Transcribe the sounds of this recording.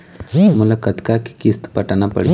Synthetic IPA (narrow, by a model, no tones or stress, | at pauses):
mʊləkət̪kaki̥kɪst̪pɐʈanapɐ̰ɽi